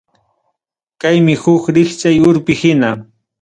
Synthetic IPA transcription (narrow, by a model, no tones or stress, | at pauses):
kajmɪhʊkɾɪxt͡ʃajʊɾpɪhɪna